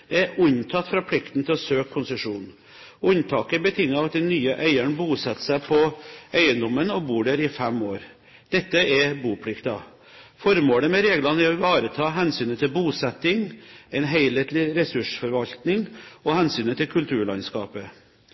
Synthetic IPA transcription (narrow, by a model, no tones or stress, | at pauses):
d̪̥ɛæɾʉɲt̪ʰɑt̪ːfɾɑːpʰlɪkt̪n̩t̪ʰɪlɔsøːkʰːʊnsəʂuːn | ʉnt̪ʰɑːkəbət̪ʰɪŋːɑʋɑt̪̚d̪ɛnːyːəʔæɪæɳbuːsɛt̪ːsæɪpʰɔæɪənd̪ɔmənɔbuːɖæɾɪfɛmoːɾ | d̪̥ɛt̪ːəʔɛbuːpʰɽɪkt̪ɑ̰ | fɔɾmoːɽəmɛɾeːɡlɑnæɾɔʋɑːɾət̪ʰɑːɦɛnsyːnət̪ʰɪlbuːsɛt̪ːɪŋɛɪnɦæɪleːt̪lɪɾɛsʉʂfɔɾʋɑlt̪nɪŋɔhɛnsyːnət̪ʰɪlkʰʉlt̪ʰʉːɭɑ̰ɪnskɑ̰ːpə